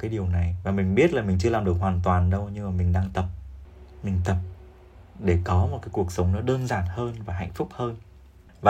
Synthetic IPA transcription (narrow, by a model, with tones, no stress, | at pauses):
kaː˨˦jɗi˨˩əwna˨˩jvaː˨˩mï˨˩ŋ̟ɓi˦˥ət̚laː˨˩mï˨˩ŋ̟t͡ɕɨ˧əlaː˨˩mɗɨ˨˩ək̚ɦwaː˨˩nt̪waː˨˩nɗə˧wɲɨ˧ŋmaː˨˩mï˨˩ŋ̟ɗaː˧ŋt̪ə˨˩p̚mï˨˩ŋ̟t̪ə˨˩p̚ | ɗe˧˩kɔ˨˦mo˨˩kaː˨˦jku˨˩ək̚sə˨˦wŋ͡mnɔ˨˦ɗəː˧nzaː˨˩nhəː˧nvaː˨˩ɦa̰˧˨jŋ̟fʊ˦˥k͡p̚həː˧n | vaː˨˩